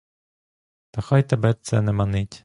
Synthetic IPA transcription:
t̪ɐxɑjt̪ebɛt̪sɛnɛmɐnɪtʲ

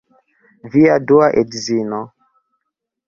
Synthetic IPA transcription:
viaduaʔedzinɔ

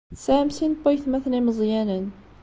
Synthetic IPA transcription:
sæʕmsinbɑjθmæθniməzˤjænən

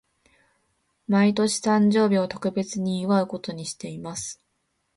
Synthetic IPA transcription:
mait̪o̞ɕi̥t̪ãɲ̟d͡ʑo̞ːbʲiot̪o̞̥kɯ̟be̞t͡sɨɲ̟iɯβaɯ̟ko̞t̪o̞ɲ̟iɕi̥t̪e̞imasɨ̥

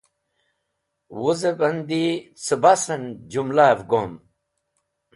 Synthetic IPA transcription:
wuzebɐnd̪it͡sɨbasɐnd͡ʑumlavɡom

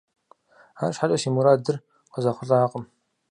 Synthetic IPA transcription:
aːʃħatʼɐʃiːmuɾaːdɨr | qəzɐχʷʊɬʼaːqʼəm

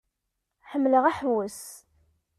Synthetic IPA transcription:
ħəmːləʁæħwəs

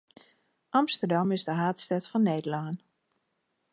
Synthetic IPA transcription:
ʔɑmstərdɑmɪzdəɦaːtstɛtfɔnːejdəlaːn

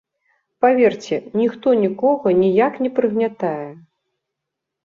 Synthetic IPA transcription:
pavʲert͡sʲɛnʲixt̪ɔnʲikɔɣɐnʲijaknʲɛpɾɨɣnʲat̪ajɛ

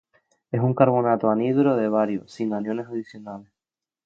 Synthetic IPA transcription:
e̞suŋkaɾβ̞o̞nat̪oaniðuɾoðe̞β̞aɾjosiŋanjo̞ne̞saðisjo̞nales

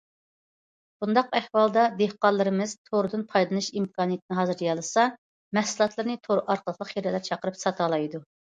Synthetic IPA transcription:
b̥und̪ɑqæhwɑlˠd̪ɑd̪ehqɑlˠːɨɾɨmɨz̥t̪ʰoɾɨd̪ɨnpʰɑjd̪ɨnɨʃimkʰɑːnijɛt̪̚ɪnɨɦɑːzɨɾjɑlˠɨsɑ | mɛhsulˠɑt̪ʰlˠɨɾnɨt̪ʰoɾɨʔɑɾqʰəlˠəqlˠəqjeɾɛlæɾt͡ʃʰɑqəɾɨpsɑt̪ʰɑlˠɑjd̪u

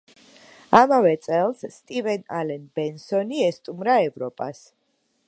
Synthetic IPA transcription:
amavɛt̪sʼɛlˠsːt̪ʼivɛnalɛnbɛnsɔniɛst̪ʼumɾaɛvɾɔpʼa̰s

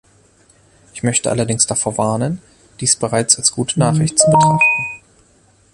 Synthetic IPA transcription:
ʔɪçmœçtəʔa̰lɐdɪŋsd̥afoːɐvaɐnən | d̥iːsb̥əʁaɪt͡salsɡ̥uːtənaːχʁɪçtt͡subətʁ̥aχtn̩

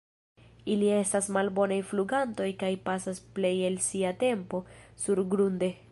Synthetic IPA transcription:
ilie̞stasmalbo̞najfluɡanto̞jkajpasasple̞je̞lsiate̞mpo̞suɾɡɾunde̞

